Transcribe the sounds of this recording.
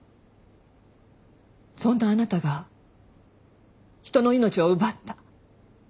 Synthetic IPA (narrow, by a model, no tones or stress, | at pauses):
sõ̞nːaːnat̪aɡa | çi̥t̪o̞no̞ino̞t͡ɕio̞ɯ̟bat̪ːa